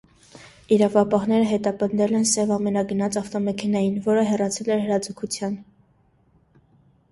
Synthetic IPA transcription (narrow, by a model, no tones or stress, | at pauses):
iɾɑvɑpɑɦnɛɾəɦɛt̪ɑpənd̪ɛlɛnsɛvɑmɛnɑɡənɑt͡sɑft̪ɔmɛkʰɛnɑjinvɔɾəɦɛrɑt͡sʰɛlɛɾhəɾɑd͡zəkʰut͡sʰjɑn